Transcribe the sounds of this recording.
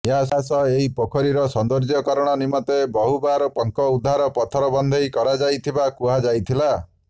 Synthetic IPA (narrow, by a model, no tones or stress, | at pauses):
jasasɔeɦipɔkʰɔɾiɾɔsɔnd̪ɔɾd͡ʒɔkɔɾɔɽ̃ɔnimɔt̪ebɔɦubaɾɔpɔŋkɔud̪ʱːaɾɔpɔt̪ʰɔɾɔbɔnd̪ʱɔjkɔɾad͡ʒajt̪ʰibakuɦad͡ʒajt̪ʰila